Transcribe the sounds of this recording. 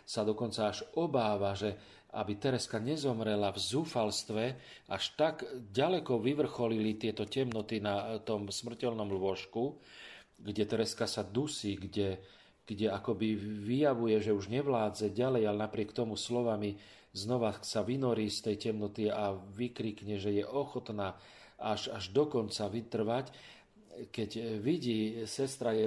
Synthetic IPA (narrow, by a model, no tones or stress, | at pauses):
sad̪ɔkɔnt͡saaʒɔbaːʋaʒɛ | a̰bit̪ɛɾɛskaɲɛzɔmɾɛlavzuːfalst̪ʋɛ | aʃt̪aɡɟalɛkɔʋiʋr̩xɔlilit̪ɪɛt̪ɔcɛmnɔt̪inat̪ɔmsmr̩cɛlnɔmlʊɔʃku | ɡɟɛt̪ɛɾɛskasad̪usiːɡɟɛ | ɡ̥ɟɛakɔbiʋijaʋujɛʒɛuʒɲɛʋlaːd͡zɛɟalɛjalɛnapɾɪɛkt̪ɔmuslɔʋami | znɔʋasaʋinɔɾiːst̪ɛjcɛmnɔt̪iaʋikɾiːkɲɛʒɛjɛʔɔxɔt̪naː | aʒaʒd̪ɔkɔnt͡saʋit̪r̩ʋac | kɛcʋiɟiːsɛst̪ɾajɛ